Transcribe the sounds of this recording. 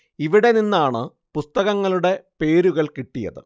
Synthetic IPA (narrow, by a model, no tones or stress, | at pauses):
iʋiɽe̞ninːaːɳɨ | pust̪ɐɣɐŋːɐɭuɽe̞pe̞ːɾuɣɐɭkiʈːijɐ̰ðɨ̰